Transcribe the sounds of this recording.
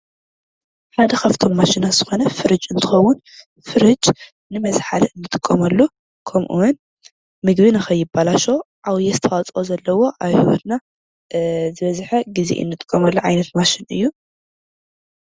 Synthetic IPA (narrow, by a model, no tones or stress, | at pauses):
ħad̪ɐkʰaft̪ʰo̞mːaʃinaz̥ɨxo̞nɐfɨɾɨt͡ʃʼɨnt̪ʰɨ̥xɐwːʊn | fɨɾɨd͡ʒʼ | nɨmɐzħaliɨnːɨt̪ʼɨkʼːɐmɐlːu | kʰɐmʔṵwn | mɨɡbɨnɨxɐjːɪbːalaʃo̞ | ʔawjɛst̪ʰɐwat͡sʼozɐlːɐwo̞ʔaβhiwot̪na | zɨβɐzħɐɡizḭʔɨ̰nːɨt̪ʼɨ̥kʼːɐmɐlːuʕajnɐt̪maʃɪnɨ̰jːu